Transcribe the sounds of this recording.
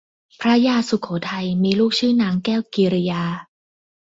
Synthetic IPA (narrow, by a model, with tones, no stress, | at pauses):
pʰɾa˦˥jaː˧su˨˩kʰoː˩˦t̪ʰa˧jmiː˧luː˥˩k̚t͡ɕʰɯː˥˩naː˦˥ŋkɛː˥˩wkiː˨˧ɾa˧jaː˧